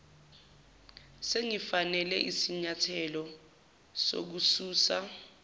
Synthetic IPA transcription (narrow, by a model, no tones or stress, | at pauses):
seŋifanɛlɛʔisiɲatʰɛlɔ | so̰k̬usuːsa